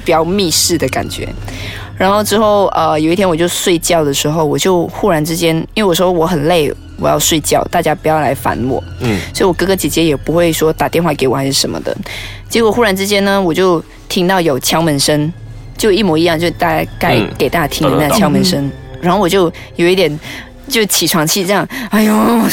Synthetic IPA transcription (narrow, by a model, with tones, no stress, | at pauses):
pi˨˩jɑ˥˧ʊmi˥˧ʂɻ̩˥˩d̪ə˩ka̰˨˩nt͡ɕɥɛ̰˧˥ | ɻa˧˥nxo˥˧ʊʈ͡ʂɻ̩˥xo˥˩ʊʔə˧jo˨ʊi˥t̪ʰjɛ˥wɔ˨˩t͡ɕjo˥˧ʊswe˥˧ɪt͡ɕjɑ˥˩ʊd̪ə˩ʂɻ̩˧˥xo˥˧ʊwɔ˨˩t͡ɕjo˥˧ʊxu˥˩ɻa˧˥nʈ͡ʂɻ̩˥t͡ɕjɛ˥ni˥nwe˥˩wɔ˨˩ʂ̩˥xwɔ˧˥xə˨˩nle˥˩ɪ | wɔ˨˩jɑ̰˥˧ʊʂwe˥˧ɪt͡ɕjɑ˥˩ʊt̪a˥˩t͡ɕja˥pu˧˥jɑ˥˩ʊla̰˧˥ɪfa̰˧˥nwɔ̰˨˩˦swɔ˧˥i˧wɔ˨˩kɤ˥˩ɡə˧t͡ɕi˨˩t͡ɕjɛ˧˥jɛ˨˩pu˧˥xwe˥˩ɪʂwɔ˥t̪a˨˩t̪jɛ˥˧nxwa˥˩ke˧˥ɪwɔ˨˩xɪʂɻ̩˥˩ʂə˧˦˥mə̰˧d̪ə̰˩ | t͡ɕjɛ˧˥kwɔ˨˩xu˥˩ɻa˧˥nʈ͡ʂɻ̩˥t͡ɕjɛ˥nnə˨wɔ˨˩t͡ɕjo˥˩ʊ | t̪ʰi˥ŋt̪ɑ˥˩ʊjo˨˩ʊt͡ɕʰjɑ˥ŋmə˧˥nʂə˥n | t͡ɕjo˥˧ʊi˥˩mwɔ˧˥i˧˥jɑ˥˧ŋt͡ɕjo˥˧ʊ˧t̪a˥˧˩t͡ɕa˥ka˥˩ɪke˨˩ɪt̪a˥˩t͡ɕa˥t̪ʰi˥˧˦na˥˩t͡ɕʰjɑ˥ŋmə˧˥nʂə˥nɻa˧˥nxo˥˩wɔ˨˩t͡ɕjo˥˧ʊ | jo˨ʊi˥t̪jɛ˨˩n | t͡ɕjo˥˩ʊt͡ɕʰi˨˩ʈ͡ʂʰwɑ˧˥ŋt͡ɕʰi˥˧ʈ͡ʂɤ˥˧jɑ˥˩ŋa˥˩ɪo˥˩